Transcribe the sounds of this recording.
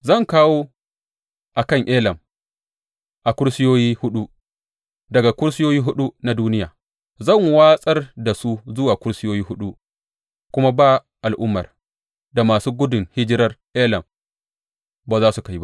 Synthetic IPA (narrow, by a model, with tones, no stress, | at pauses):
zɐ˦˨ŋkaː˦woː˦ | ʔa˨kɐ˦˨ŋʔeː˦lɐ˨m | ʔa˨kʷʊ˦ɽsɪ˦joː˦jiː˦hʊ˦ɗu˦ | dɐ˨ɡa˨kʷʊ˦ɽsɪ˦joː˦jiː˦ɦʊ˦ɗu˦na˨duː˦nɪ˦ja̰ː˨ | zɐ˦˨ŋwaː˦sʼɐ˦rda˨su˦zʊ˦waː˨kʷʊ˦ɽsɪ˦joː˦jiː˦hʊ˦ɗu˦ | kʷʊ˦ma˦baː˦˨ | ʔa˨lʔʊ˦mːɐ̰˨r | da˨maː˨suː˦ɡʷʊ˦dʊ˨ŋhɪ˦d͡ʒɪ˦ɾɐ˦rʔeː˦lɐ˨m | ba˨zaː˦su˨ka˦jba˦ʔ